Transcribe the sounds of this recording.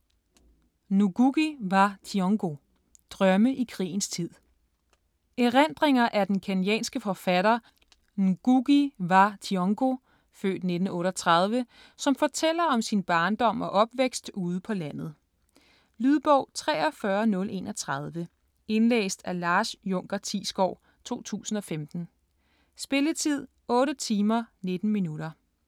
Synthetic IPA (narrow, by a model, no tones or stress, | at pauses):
nuɡ̥uɡ̥iʋɑ̈t͡sʰiɔŋɡ̥o̝ | d̥ʁɶməʔikʰʁḭːn̩st͡sʰið̰ˠ | eʁen̰d̥ʁeŋɐʔæd̥enkʰænjɛ̰ːnsɡ̥əfɒ̽fæɾɐ | nuɡ̥uɡ̥iʋɑ̈t͡sʰiɔŋɡ̥o̝ | fø̰ːd̥ne̝d̥n̩ɔ̽ːɾɐt͡sʰʁɑð̞ˠʋə | sɒ̽mfɒt͡sʰel̰ɐɒ̽msinb̥ɑ̈ːnd̥ɒ̽m̰ɒ̽ʔɒ̽b̥ʋeɡ̥sd̥uːð̞ˠəpʰɒ̽læn̰ð̞̩ˠ | lyð̞ˠb̥ɒʊ̰t͡sʰʁɛ̰ːɒfɶɐnɔ̽lʔe̝̰ːnɒt͡sʰʁɑð̞ˠʋə | e̝nlḛːsd̥ælɑ̈ːsjɔŋ̰ɡ̥ɐt͡sʰḭːsɡ̥ɒʊ̰ | t͡sʰo̝̰ːt͡sʰṵːsn̩ɒ̽femd̥n̩ | sb̥e̝lət͡sʰið̞̰ˠ | ɔ̽ːɾət͡sʰiːmɐned̥n̩minuɾɐ